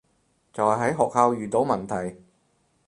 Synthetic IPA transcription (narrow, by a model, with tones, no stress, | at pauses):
t͡sɐ˨whɐ˨˩ɦɐ˨˥jɦɔː˨k̚haː˧wjyː˨t̪o˨˥wmɐ˨˩nt̪ʰɐ˨˩j